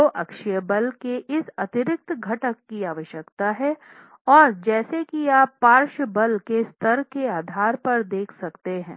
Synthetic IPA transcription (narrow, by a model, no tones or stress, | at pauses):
oʔɐkʃijəbɐlkeʔɪsɐt̪ɪɾɪk̚t̪ɡʱɐʈəkːiaːʋəʃjəkt̪aɦɛ | ɔːɾd͡ʒɛːsekijaːpːaːɾʃbɐlkest̪ʰɐɾkeaːd̪ʱaːɾpɐɾd̪eːkʰsɐkt̪eɦɛ̰̃ː